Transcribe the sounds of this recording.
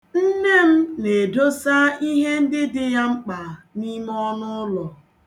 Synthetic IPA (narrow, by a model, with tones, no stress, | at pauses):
n̩˦ne˦m̩˦ne˨do˦sa˦i˦ɦe˦n̩˦dɪ˦dɪ˦ja˦ŋ͡m̩˦k͡pa˨ni˦m˦ɔ˦nʊ˦ʊ˦lɔ˨